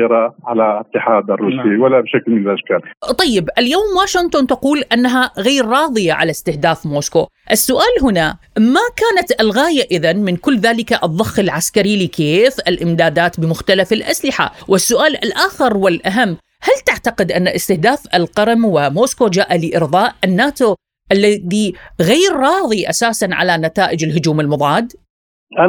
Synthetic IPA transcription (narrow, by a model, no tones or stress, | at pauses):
ɾˤɑʕalaʔɪt̪ːɪħaːd̪ʔɑrˤːuːsiwalːabʃaklmɪlaʃkaːlt̪ˤɑjːɪbʔɪljoːmwaːʃɪnt̪ˤont̪aquːlʔanːaɦaɣaːɾːˤɑːðˤɨjaʕa̰last̪ɪhd̪aːfmoːsko̰ː | ʔɪsːʊʔaːlɦʊna | makaːnat̪ʔɪlɣaːjaʔɪðanmɪnkʊlːðaːlɪkaʔɨðˤːɑxːɪlʕaskaɾilɪkeːfɪlʔɪmd̪aːd̪aːt̪bɪmʊxt̪alafɪlʔaslɪħa̰wʔɪsːʊʔaːlɪ̰lʔaːxɪɾwɪlʔaɦamː | halt̪aʕt̪aqɪd̪ʔanːaʔɪst̪ɪhd̪aːfɪlqɑɾmwɪmoːskod͡ʒaːʔalɪʔɪɾðˤɑːʔʔɪnːaːt̪o | ʔalːaðiɣeːɾːˤɑːðˤiʔasaːsanʕa̰lanat̪aːʔɪd͡ʒɪlɦʊd͡ʒuːmɪlmʊðˤɑːd̪